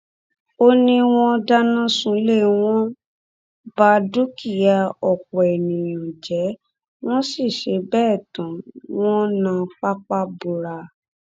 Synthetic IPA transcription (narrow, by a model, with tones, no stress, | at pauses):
o˦nĩ˧w̃ɔ̃˧da˦nã˦sũ˦le˦˨w̃ɔ̃˦ | ba˦du˦ki˦˨ja˧ɔ˨k͡pɔ˨ɛ˨nĩ˨jũ˨d͡ʒɛ˨˦ | w̃ɔ̃˦si˦˨ʃe˨˦bɛː˦˨tɔ̃˨˦w̃ɔ̃˦nã˧k͡pa˦k͡pa˦bu˧ɾa˧